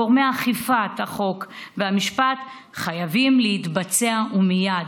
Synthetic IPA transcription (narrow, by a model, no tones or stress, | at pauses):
oʁmeaχifat̪haχo̞kveamiʃpat | χajavimleit̪bat͡seaʔumijad